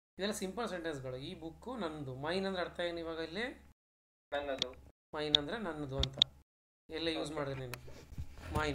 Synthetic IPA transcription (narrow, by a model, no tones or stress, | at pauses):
id̪ɛlːɐsimpɐlseɳʈensɡɐɭuiːbukːunɐnːd̪umɐaːjinɐnd̪ɾɐɽt̪ajeːnuiːʋaːɡɐilːe | nɐnːɐd̪u | mɐjnɐnd̪ɐɾenɐnːɐd̪uɐnt̪ɐ | ɛlːejuːsmaːɽid̪iɾneːnumaːjin